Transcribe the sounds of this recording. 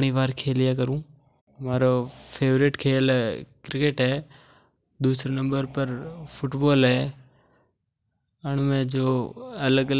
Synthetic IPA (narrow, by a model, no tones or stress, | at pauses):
ɽ̃iːʋaːɾkʰeːlɪjaːkəɾũː | maːɾoːpʰeːʋɾɪʈkʰeːlkɾɪkeːʈɦɛː | d̪uːsɾnə̃mbəɾpəɾpʰʊʈboːlɦɛː | əɳ̃mẽːd͡ʒoːɐləɡə